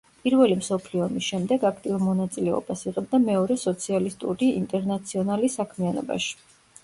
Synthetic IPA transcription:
pʼiɾvɛlimsɔpʰliɔmisʃɛmd̪ɛɡakʰt̪ʼiuɾmɔnat̪sʼilɛɔ̰basiʁɛb̚d̪amɛɔɾɛsɔt̪sʰialist̪ʼṵɾiḭnt̪ʼɛɾnat̪sʰiɔnalisakʰmianɔ̰ba̰ʃi̥

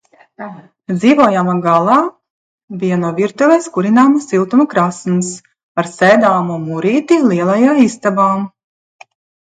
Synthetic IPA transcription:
d̪ziːvɔːjamaɡalˠaː | bijanuɔvʲiɾt̪uvɛskuɾinaːmsilˠt̪umɐkɾasns | aɾsɛːd̪aːmumuɾiːt̪ilˠiɛlˠajaːist̪abaːm

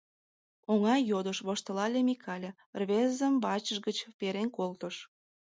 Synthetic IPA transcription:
oŋɑjod̪əʃβoʃt̪əlɑlʲemʲikʰɑlʲe | rβezəmbɑt͡ɕəʃɡət͡ɕpeɾenkolt̪əʃ

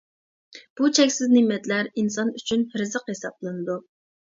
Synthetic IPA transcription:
b̥ut͡ʃʰɛkʲsɪznɪmɛt̪læɾinsɑnyt͡ʃʰynɾɨzəqhesɑblˠɨnɨd̪u

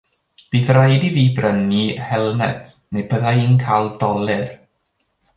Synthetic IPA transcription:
b̥iːθrajdiviːbrənihɛlˠnɛ̰d | nejbəðaiːnkʰaːlˠd̥ɔlˠɨr

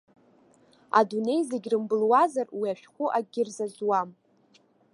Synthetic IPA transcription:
a̰dune̞jzeɡʲrɨmbɨlwazarwiaʃᶣχʷʊʔaɡʲɪrzazwam

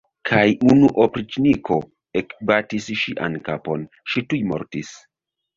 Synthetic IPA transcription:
kʰajunuʔopɾit͡ʃnikʰo̞ | ekbatisʃiʔa̰nkapo̞n | ʃitujmo̰ɾtis

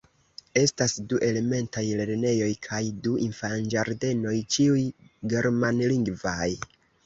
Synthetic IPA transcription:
e̞stasduʔe̞le̞me̞ntajle̞ɾne̞jo̞jkʰajduʔinfand͡ʒaɾde̞no̞jt͡ʃiujɡe̞ɾmanliŋɡvaj

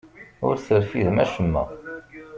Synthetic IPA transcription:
ʊɾθəɾfiðmæʃəmːæ̰

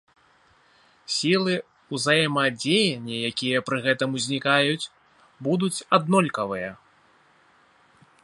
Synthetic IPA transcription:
sʲilˠɨ | uzajɛmɐd͡zʲejɛnʲːɛjakʲijɐpɾɨɣɛt̪ɐmuzʲnʲikajut͡sʲ | bud̪ut͡sʲad̪nɔlʲkɐvɨjɐ

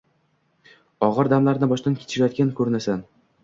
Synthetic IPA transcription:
ɒʁɨɾd̪amlaɾnɪbɒʃt̪ankʲe̥t͡ʃʰɪɾajɒt̪kʲankʰɵɾnasan

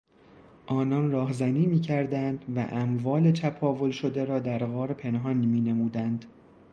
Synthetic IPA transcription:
ʔɒːnɒnrɒːɦzæniːmiːcʰæɾd̪ænd̪væ̰ʔæmvɒːle̞t͡ʃ̪ʰæpʰɒːvo̞lʃo̞d̪eɾɒːd̪æɾɣɒːɾpʰe̞nɦɒnmiːne̞muːd̪ænd̪

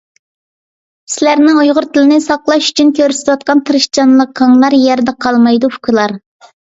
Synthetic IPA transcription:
sɪlæɾnɪŋujʁʊɾt̪ʰɪlɪnɪsɑqlˠɑʃy̥t͡ʃʰynkʲʰøɾsɪ̥t̪ʰwɑt̪̚qɑnt̪ʰɨɾɨʃt͡ʃɑnlˠəqʰːɑŋlˠɑɾjɛɾd̪ɛqʰɑlˠmɑjd̪ufukʲʰilˠɑɾ

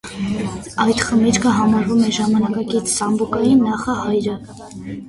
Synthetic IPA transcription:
ɑjt̪χəmiɾkʰəɦɑmɑɾvumɛʒɑmɑnɑkɑkit͡sʰsɑmbukɑjinːɑχɑhɑjɾə

